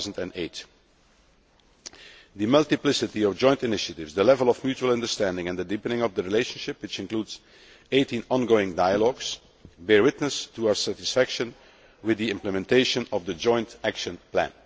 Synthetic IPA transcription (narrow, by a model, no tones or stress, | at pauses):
zn̩tɨ̃neɪt | ðɨmʌlˠtɪplɪsɨtiɔvd͡ʒɔ̃ɪ̃ntɪnɪʃətɪvzðəlɛvəlˠɔvmjuːt͡ʃuəlˠʌ̃ndəɹstæ̃ndɪ̃ŋɛ̃nðədipənɪ̃ŋʌvdəɹileɪʃə̃nʃɪpwɪt͡ʃɪ̃nkluːdz̥ | eɪtĩnɔ̃nɡoʊɪ̃ŋdaɪəlɔɡs | bɛɹwɪtnəstʰuaʊə˞sætɪsfækʃə̃n | wɪðiɪ̃mpləmɛ̃nteɪʃə̃nɔvðəd͡ʒɔ̃ɪ̃ntækʃə̃nplæ̰̃n